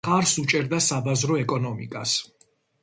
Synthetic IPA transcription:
χaɾsut͡ʃʼɛɾd̪asabazɾɔɛkʼɔnɔmḭkʼas

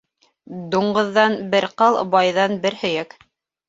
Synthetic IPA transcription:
d̪uɴɢɤ̆ðːɑnbɘ̆ɾqɤlˠbɑjðɑnbɘɾhɵ̆jæk

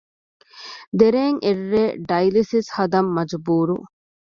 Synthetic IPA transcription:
d̪eɾeːŋʔerːeːɖɐjlisishɐd̪ɐmːɐd͡ʒbuːɾṵ

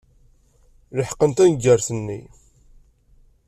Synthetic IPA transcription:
ləħə̥qːənt̪ænɡːəɾθənːḭ

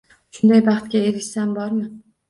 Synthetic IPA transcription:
ʃʊnd̪ajbɑχt̪kʲaeɾʲʃsambɒɾmɪ

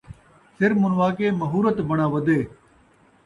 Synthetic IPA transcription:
sɪɾmʊnʋaːkeːməɦuːɾət̪bəɳãːʋəd̪eː

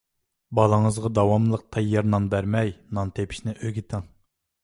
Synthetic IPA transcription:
bɑlˠəŋəzʁɑd̪ɑwɑmlˠəq̚t̪ʰɑjːɑɾnɑnbæɾmɛjnɑnt̪ʰepʰi̥ʃnɪʔøɡʲit̪ʰɪŋ

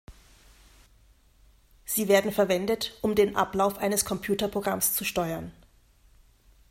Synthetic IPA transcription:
z̥iːveːɐdn̩fɛɐvɛndətʔʊmdeːnʔa̰plaʊfʔaɪnəskʰɔmpʰj̥uːtɐpʁ̥oɡʁamst͡suʃtɔʏɐn

